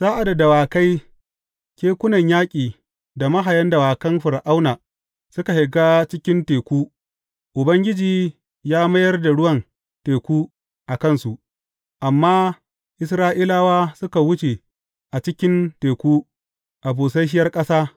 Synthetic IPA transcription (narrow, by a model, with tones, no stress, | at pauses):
saː˦ʔa˨da˨da˨waː˨ka˦j | kʲeː˦kʷʊ˦nɐ˨ɲjaː˦kʲʼiː˨ | da˨mɐ˦ɦa˨jɐ˦nda˨waː˨kɐ˦mɸʊ˨ɾʔa˦wnaː˨ | sʊ˦ka˨hɪ˨ɡaː˦t͡ʃɪ˦kʲɪ˦nteː˨kʷuː˦ | ʔʊ˨bɐ˦ŋɡʲɪ˦d͡ʒiː˨ | jaː˦mɐ˦jɐ˦rda˨ɽʊ˦wɐ˨n | teː˨kʷuː˦ | ʔa˨kɐ˦nsu˨ʔ | ʔa˨mːaː˦ | ʔɪ˦s̬ɾaː˦ʔiː˦laː˦waː˦sʊ˦ka˨wʊ˦t͡ʃe˨ | ʔa˨t͡ʃɪ˦kʲɪ˦nteː˨kʷuː˦ | ʔa˨buː˨s̬ɐ˦ʃ̬ɪ˦jɐ˦rkʼɐ˦saː˦